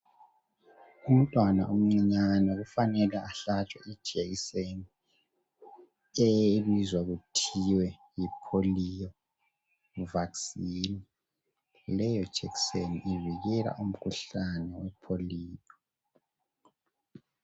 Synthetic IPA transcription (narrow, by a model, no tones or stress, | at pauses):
um̩tʼwana̰ʔum̩ŋ͡ǀiɲanɛɣufanɛlaaɬat͡ʃʼwa̰i̥d͡ʒʱeɣiseni | eβizwaɣutʰiwɛjipʰolijɔ | vaksiːni | lɛjɔ̥ʒ̥ʱɛkseniʔiviɣɛla̰ʔum̩kʰuɬanɛwɛpʰoliːtʰɔ̥